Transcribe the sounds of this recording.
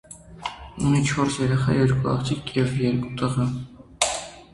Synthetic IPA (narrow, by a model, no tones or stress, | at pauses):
unit͡ʃʰɔɾsjɛɾɛχɑ̰jɛɾkuɑ̰χt̪ʰikjɛvjɛɾkʼut̪əʁə